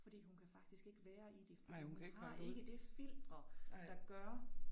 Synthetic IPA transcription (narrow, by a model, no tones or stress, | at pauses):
fɒ̽d̥ḭːhunkʰæfɑ̈ɡ̥̚d̥isɡ̥e̝ɡ̥əʋæːɐʔid̥e̝fhʔeɡ̥əd̥e̝fil̰d̥ʁɐd̥ɑ̈ɡ̥ɶɐ